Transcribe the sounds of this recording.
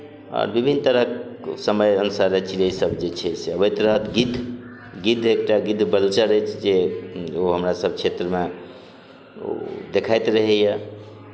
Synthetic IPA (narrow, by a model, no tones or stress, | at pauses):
ɔ̰ɾbibʱinːt̪əɾəksəməjənusaɾət͡ʃʰiəisəbd͡ʒet͡ʃʰɛseəbət̪ɾəɦət̪ɡid̪ʱ | ɡid̪ʱek̚ʈaɡid̪ʱbəlt͡ʃəɾəjt͡ʃʰd͡ʒeoɦəmɾasəb̚t͡ʃʰet̪ɾəme | o̰d̪ekʰajt̪ɾəɦɛjə